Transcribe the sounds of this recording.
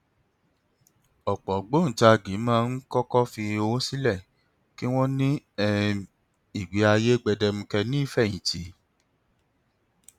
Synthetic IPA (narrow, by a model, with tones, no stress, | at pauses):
ɔ˨k͡pɔ˨ɡ͡bo˦n̩˨ta˧˨ɡĩ˨˦mãː˦˧n̩˦kɔ˦kɔ˦fi˧o˧˦si˦lɛ˦˨ | ki˦w̃ɔ̃˦nĩ˦ɛ˧ | i˦˨ɡ͡bi˨˦a˧je˦ɡ͡bɛ˧dɛ˧mũ˧kɛ˧nĩ˦i˦˨fɛ˦˨jĩ˨ti˨˦